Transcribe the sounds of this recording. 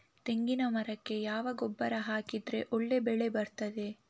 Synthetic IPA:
t̪e̞ŋɡinɐmɐɾɐkːe̞jaːʋaɡɔbːɐɾɐɦaːkid̪ɾe̞ʔoɭːe̞beɭe̞bɐɾt̪ɐd̪e̞

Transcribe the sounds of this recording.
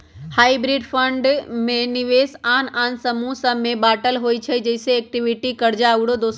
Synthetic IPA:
haːibɾiɖpʰəɳɖmẽnɪʋeːsaːnaːnsəmusəːẽbaːʈəlɦoːit͡ʃʰɐd͡ʒəɪseːk̚ʈiʋiʈikɐɾd͡ʒaʋɽod̪oːs

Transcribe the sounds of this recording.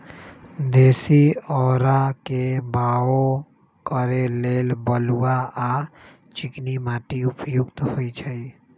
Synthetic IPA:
d̪esiɔɾakebao | kəɾelelbəluaa | t͡ʃiknimaʈiupjuɡt̪ɦojt͡ʃʰəj

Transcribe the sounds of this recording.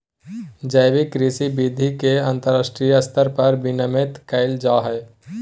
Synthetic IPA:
d͡ʒəjʋɪkɾisibid̪ʱikeãnt̪əɾaːsʈɾijəst̪ʰəɾpɐɾbɪnəmɪt̪kəɪld͡ʒaːɦɛː

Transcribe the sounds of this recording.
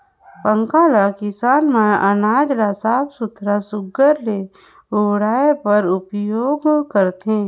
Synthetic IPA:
pə̃ŋkaːlakɪsaːnmẽənaːd͡ʒlasaːpsʊt̪ʰɾasʊɡəɾle | ʊɡɽaːepəɾʊpjoːɡkəɾt̪ẽː

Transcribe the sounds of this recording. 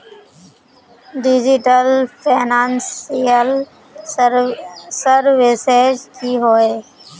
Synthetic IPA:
ɖid͡ʒiʈəlfʰeːnaːnsiəl | səɾʋɪsed͡ʒt̪ʰiːɦoːeː

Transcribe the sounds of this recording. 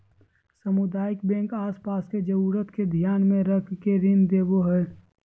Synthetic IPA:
səmʊd̪aːɪkbɛ̃ːŋkaːspaːsked͡ʒəɾuːɾət̪ked̪ʱijaːnmẽɾəkʰkeɾɪnd̪eːboɦɛː

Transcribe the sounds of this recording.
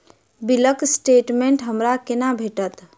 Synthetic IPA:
biləksʈeːʈmeɳʈɦəmɾakenabʱeʈət̪

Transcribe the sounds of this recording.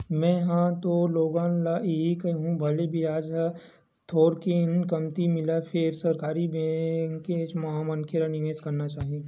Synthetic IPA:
mɛ̃ːɦãt̪oloːɡãːnlaʔeːkɦũbʱɐlebʱiaːd͡ʒ | t̪ʰoːɾkiɪnkɐmt̪imɪlapʰɪɾsɐɾkaːɾibɛ̃ŋked͡ʒmɐɦamɐnkʰeɾanɪʋeːskɐɾnat͡ʃaːɦieː

